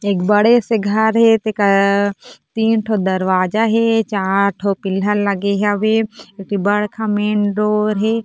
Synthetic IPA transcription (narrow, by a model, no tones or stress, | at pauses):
ekbɐɽeseɡʱɐɾɦet̪eka | t̪iːnʈʰod̪ɐɾʋaːd͡ʒaɦet͡ʃaːɾʈʰopɪləllɐɡeɦaʋeekibɐɽkʰãmeːnɖoːɾɦeː